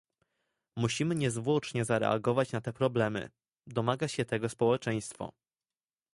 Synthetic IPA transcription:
muɕimɘɲɛzvwɔt͡ʂɲɛzaɾɛ̰a̰ɡɔvat͡ɕnat̪ɛpɾɔblɛmɘ̰ | d̪ɔmaɡaɕɛt̪ɛɡɔspɔwɛt͡ʂɛj̃st̪fɔ̰

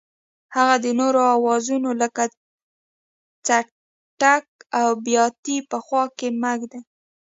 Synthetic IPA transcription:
haɣad̪ənoɾoawɑzunoləka | t͡sa | ʈak̚awbjɑt̪ipəxwɑkemaɡd̪e

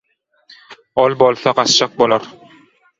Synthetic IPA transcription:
ɒlˠbɒlˠsɑqɑst͡ʃɑq̚bolˠaɾ

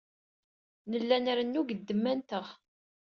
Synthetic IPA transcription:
nəlːænɾənːuɡəd̪ːəmːænt̪əʁ

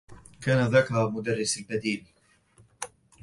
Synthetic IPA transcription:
kaːnaðaːkahaːmʊd̪arˤːɪsalbad̪iːl

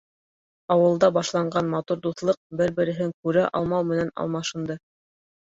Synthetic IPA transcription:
ɑwɤ̆lˠd̪ɑbɑʃlˠɑɴɢɑnmɑt̪uɾd̪uθlˠɤq̚bɘɾbɘ̆ɾɘ̆ɦɘŋkʉɾæʔɑ̰lˠmɑwmɘ̆nænɑ̰lˠmɑʃɤ̆nd̪ɤ

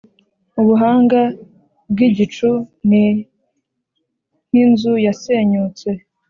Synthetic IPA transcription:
uβuɦaːŋɡa | bɡiɟit͡ʃuni | n̥inzujaseɲut͡se̞

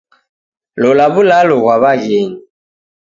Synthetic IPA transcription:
lɔlaβulalɔɣwaβaɣeni

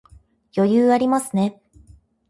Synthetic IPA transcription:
jo̞jɯːaɾʲimasɨne̞

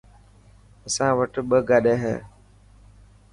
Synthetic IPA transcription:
əsãːʋəʈɓəɡaɗeːɦɛ̰ː

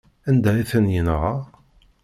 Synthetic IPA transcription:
ænd̪æiθənjənʁɑ

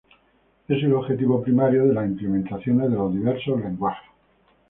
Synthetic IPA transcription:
e̞s̬eloβxe̞t̪iβopɾimaɾjoðelasimplemẽnt̪aθjo̞nezðelo̞zðiβe̞ɾsozlẽ̞ŋɡwaxe

